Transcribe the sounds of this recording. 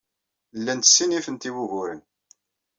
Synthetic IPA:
lːænt̪ə̥sːinifənt̪iwuʝʊɾən

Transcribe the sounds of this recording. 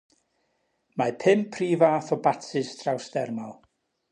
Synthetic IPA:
mapʰɪmpʰriːvaθɔbatʰɨstʰrawsd̥ɛrmalˠ

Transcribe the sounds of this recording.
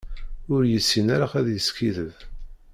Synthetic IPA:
ʊɾjəsːinæɾaʁæðjəskiðəð

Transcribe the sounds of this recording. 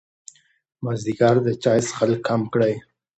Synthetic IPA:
mazd̪iɡɑɾd̪ət͡ʃɑjsxalkʰːamkɽaj

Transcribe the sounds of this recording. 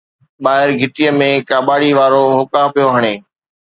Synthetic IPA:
ɓaːɦɪɾɡʱɪʈiːəmẽːkaːɓaːɽiʋaːɾoːɦʊkaːpijoɦəɽ̃eː

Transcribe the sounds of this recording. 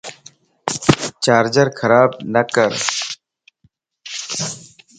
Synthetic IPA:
t͡ʃaːɾd͡ʒəɾkʰɐɾaːb̚nɐkəɾ

